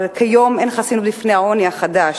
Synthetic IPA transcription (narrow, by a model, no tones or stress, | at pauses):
kʰajomenχasinublifnehaoniaχada